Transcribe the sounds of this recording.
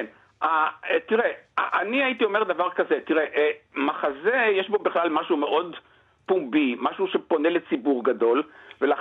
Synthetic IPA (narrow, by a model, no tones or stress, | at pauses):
n | at̪iʁeaʔaniait̪io̞me̞ʁd̪avaʁkaze̞t̪iʁeʔmaχazejeʃbo̞biχlalmaʃume̞ʔo̞d̪ | pumbimaʃuʃe̞po̞nele̞t͡sibuʁɡado̞lvelaχ